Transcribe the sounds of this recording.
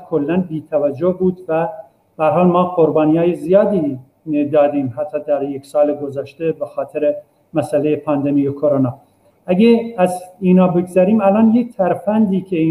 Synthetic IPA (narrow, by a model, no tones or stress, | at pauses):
kʰolːænbiːt̪ʰævæd͡ʒːohbuːd̪væ | b̥ehæɾɦɑːlmɒːqoɾbɑːnijɑːjezijɒːd̪iː | d̪ɒːd̪iːmhæt̪ʰːɑːd̪æɾjeksɑːleɡozæʃt̪ebexɒːt̪ʰeɾe | mæsælejepʰɑnd̪emijekʰoɾonɑː | æɡeæziːnɑːbe̞ɡzæɾiːmælɑːnjek̚t̪ʰæɾfænd̪iːkʰʲeiː